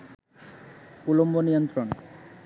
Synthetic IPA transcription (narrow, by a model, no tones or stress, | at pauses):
pulombonijont̪ɾon